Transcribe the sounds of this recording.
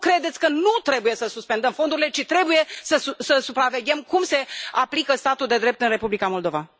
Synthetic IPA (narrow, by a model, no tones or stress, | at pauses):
kɾe̞d̪e̞t̪sʲkənut̪ɾe̞bujesəsuspend̪əmfo̞nd̪uɾile̞t͡ʃit̪ɾe̞buje̞səusəsupɾave̞ɡʲemkumse̞aplikəst̪at̪uld̪e̞d̪ɾe̞p̚t̪ɨnre̞publikamo̞ld̪o̞va